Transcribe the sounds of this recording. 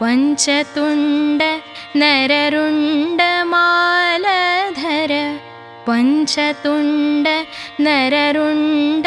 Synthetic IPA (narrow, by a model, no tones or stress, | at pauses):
pɐɲt͡ʃɐt̪uɳɖɐ | nɐɾɐɾuɳɖɐmaːlɐd̪ʱɐɾɐ | pɐɲt͡ʃɐt̪uɳɖɐnɐɾɐɾuɳɖ